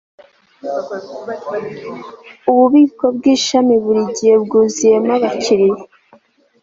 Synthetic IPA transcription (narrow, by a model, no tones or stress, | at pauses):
uβuβiːko̞b̚ɡiːʃamiβuɾiɟijebɡuːzijemaβaciɾije